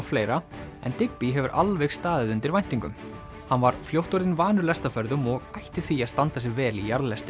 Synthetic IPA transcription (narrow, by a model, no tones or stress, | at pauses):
fleːjɾaɛ̰nt̪ɪk̚piɦɛvʏɾʔa̰lvɛxst̪aːðɪðʏnt̪ɪɾvajn̥t̪iŋkʏ̰m | hanvaɾ̥fljowht̪ɔɾɪnvaːnʏɾlɛst̪afœɾðʏmɔɣajht̪ɪθiaðst̪ant̪asɪvɛːlijaɾðlɛst̪ʏ